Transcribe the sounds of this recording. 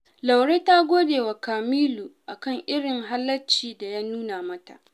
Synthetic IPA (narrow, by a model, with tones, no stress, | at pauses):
la˨wɽeː˦ta˦ɡʷoː˦deː˨wa˨kaː˨miː˦lu˨ʔa˨kɐ˦˨ŋʔɪ˦ɽɪ˨ŋɦa˦lːɐ˦t͡ʃiː˨da˨jaː˦nuː˦naː˨mɐ˦ta̰˨ʔ